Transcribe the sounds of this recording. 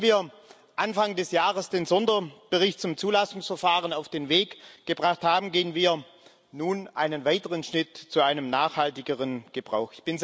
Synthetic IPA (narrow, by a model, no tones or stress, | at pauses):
viːɐ | ʔanfaŋdɛsjaːʁəsd̥eːnzɔndɐb̥əʁɪçt̚t͡sʊmt͡suːlasʊŋsfɛɐfaːʁ̞ənaʊfd̥eːnveːkɡ̥əbʁaχthaːbm̩ɡeːənviːɐ | nuːnʔaɪnənvaɪtəʁənʃnɪtt͡suʔaɪnəmnaːxhaltɪɡəʁənɡ̥əb̥ʁa̰ʊxɪçb̥ɪn